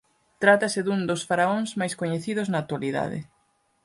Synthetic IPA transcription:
t̪ɾat̪ɐsɪðund̪osfaɾaoŋzmajskoɲeθiðʊznaːk̚t̪waliða̰ðɪ̰

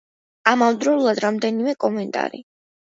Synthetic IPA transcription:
amamd̪ɾɔulˠad̪ɾamd̪ɛnimɛkʼɔmɛnt̪ʼa̰ɾḭ

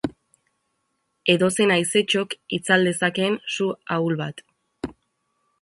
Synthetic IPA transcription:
e̞ðo̞se̞najse̞t͡ʃo̞kit͡sald̪e̞sake̞nsuaulβat̪

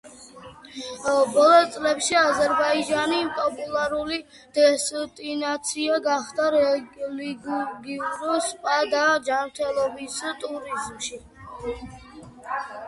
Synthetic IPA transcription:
bɔlˠɔt̪sʼlɛpʃiazɛɾbaid͡ʒanipʼɔpʼulˠaɾuli | d̪̥ɛst̪ʼinat̪sʰiaɡaχd̪aɾɛliɡɡiuɾuspʼad̪ad͡ʒanɾt̪ʰɛlˠɔbist̪ʼuɾizmʃi

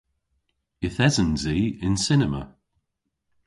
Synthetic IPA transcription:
ɪθɛzənziːɪnsɪnəmə̰

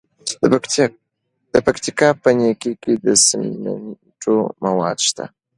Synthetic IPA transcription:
d̪̥əpakt̪ikɑpənekeked̪əsəmna̰n | ʈ͡ʂʰomawɑ̰d̪ʃt̪a̰

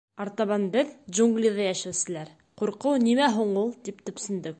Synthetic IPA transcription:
ɑɾt̪ɑβɑnbɘðʒuŋɡlʲiðɑjæʃæwsɘ̆læɾ | quɾqɤwnimæɦuɴulˠt̪ipt̪ɵ̆psɘ̆nd̪ɵk̚

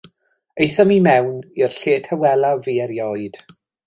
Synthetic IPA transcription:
ejθɔmimɛwnirɬeːtʰhɛwɛlˠaviːɛɾjɔɨd̥

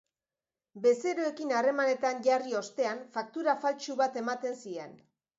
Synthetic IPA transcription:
be̞se̞ɾoe̞kinare̞mane̞t̪aɲʝario̞st̪e̞anfak̚t̪uɾafalt͡ʃuβat̪e̞mat̪e̞nsie̞n

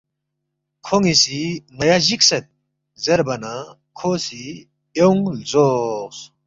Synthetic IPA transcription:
kʰoŋisiŋɐjaʑiksɐt̪̚ | zɐɾbɐna | kʰosi | ewŋlzos

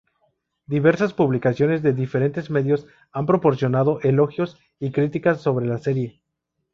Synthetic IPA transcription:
d̪iβe̞ɾsaspuβlikasjo̞ne̞zðe̞ðife̞ɾe̞nt̪e̞zme̞ðjo̞s | ampɾo̞po̞ɾsjo̞nað̞o̞ʔe̞lo̞xjo̞s | ikɾit̪ikasːo̞βɾe̞lase̞ɾje̞

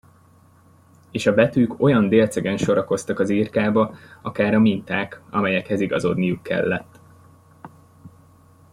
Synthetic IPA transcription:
eːʃɒbɛt̪yːko̞jɒnd̪eːlt̪sɛɡɛnʃo̞ɾɒko̞st̪ɒkɒziːrkaːbɒɒkaːɾɒmint̪aːkɒ̰mɛjɛkhɛziɡɒzo̞d̪nijukːɛ̰lːɛt̪ː

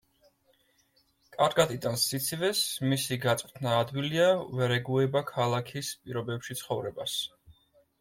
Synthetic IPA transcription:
kʼaɾɡat̪ʼid̪ansit̪sʰivɛsmisiɡat̪sʼqʼt̪ʰnaːd̪viliavɛɾɛɡuɛbakʰalˠakʰispʼiɾɔbɛpʃit̪sʰχɔvɾɛbas

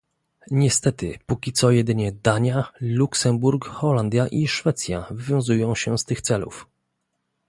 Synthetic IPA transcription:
ɲɛst̪ɛt̪ɘpukʲit̪sɔjɛd̪ɘɲɛd̪aɲaluksɛmbuɾkxɔland̪ʲjaʔiʂfɛt̪sʲjavvʲjɔ̃w̃zujɔ̃w̃ɕɛst̪ɘxt̪sɛlṵf

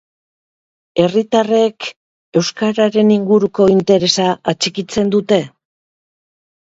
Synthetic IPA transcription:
e̞rit̪are̞k | e̞wskaɾaɾe̞niŋɡuɾuko̞int̪e̞ɾe̞saat͡ʃikit͡se̞nd̪ut̪e̞

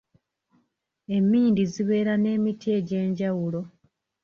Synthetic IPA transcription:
e̞mːiːndiziβe̞ːɾane̞ːmitie̞ɟe̞ːɲɟawulo̞

